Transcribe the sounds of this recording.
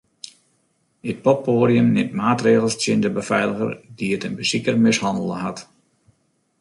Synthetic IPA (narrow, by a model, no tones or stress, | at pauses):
ət̚pɔp̚oːɾjəmnɪmtmaːtreːɣəlˠstjɪndəbəfɛjləɣə̰rdiətənbəsikərmɪshɑndəl̩ˠəɦat